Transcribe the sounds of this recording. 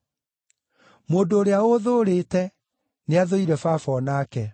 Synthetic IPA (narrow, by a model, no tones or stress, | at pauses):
moːndoːɾeaoðoːɾeːtɛ | neaðoiɾɛfaːfɔnaːkɛ